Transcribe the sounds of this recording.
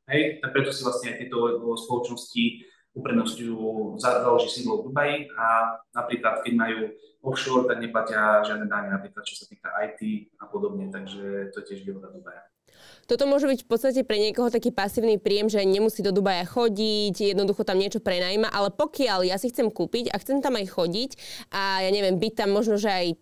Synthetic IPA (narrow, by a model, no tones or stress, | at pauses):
ɦɛjapɾɛt̪ɔsivlasɲɛajt̪jɛt̪ɔspɔlɔt͡ʃnɔsci | upɾɛd̪nɔscujuːzazaluʒisiŋɡlɔd̪ubajianapɾiːklat̪̚kɛɟmajuːɔfʃɔɾt̪aɡɲɛplacɪaʒɪad̪nɛd̪aːɲɛnapɾiːklat̪̚t͡ʃɔ̥sat̪iːkaʔajt̪iapɔd̪ɔbɲɛt̪aɡʒɛt̪ɔɛcɪɛʒbiɦɔd̪ad̪ubaja | t̪ɔt̪ɔmʊɔʒɛbicfpɔt̪st̪ac̬ɛpɾɛɲɪɛkɔɦɔt̪akiːpasiːʊnipɾiːjɛmʒɛɲɛmusiːd̪ɔd̪ubajaxɔɟicjɛd̪nɔd̪uxɔt̪amɲɪɛt͡ʃɔpɾɛnaːimaʔalɛpɔkɪaʎjasixt͡sɛmkuːpica̰xt͡sɛmt̪amajxɔɟicʔajaɲɛʋɪɛmbic̚t̪amːɔʒnɔʒɛaj